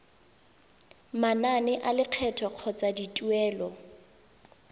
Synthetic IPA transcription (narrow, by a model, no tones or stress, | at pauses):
mananɛʔalɪq͡χʰɛtʰɔq͡χʰɔt͡sʼaditʼuɛːlɔ